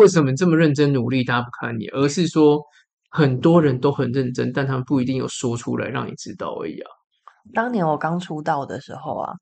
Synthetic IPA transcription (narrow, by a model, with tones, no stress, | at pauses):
we˥˩ɪʂ̬ə˨˩nmə˨˩ʈ͡ʂə˥˩mə˨ɻə˥˩nʈ͡ʂə˦nnu˨˩li˥˨t̪a˥˦pu˧kʰa˥˩nḭ˨˩ʔə˞˧˥ʂɻ̩˥˩ʂwɔ˥ | xə˨˩nt̪wɔ˥ɻə˨˦nt̪o˥ʊxə˨˩nɻə˥˩nʈ͡ʂə̰˦nt̪a˥˧nt̪ʰa˥mə˨pu˥˩i˧t̪i˥˧ŋjo̰˨˩ʊʂwɔ˥ʈ͡ʂʰṵ˦la̰˧˦ɪɻɑ̰˥˩ŋnḭ˨˩ʈ͡ʂɻ̩˦˥t̪ɑ̰˥˩ʊə̰˧˥˩ja̰˥˩ŋ | t̪ɑ˥ŋni˨˦wɔ˨˩kɑ˦ŋʈ͡ʂʰu˥t̪ɑ˥˨ʊd̪ə̰˨˩ʂɻ̩˧˥xo˥˩ʊa̰˩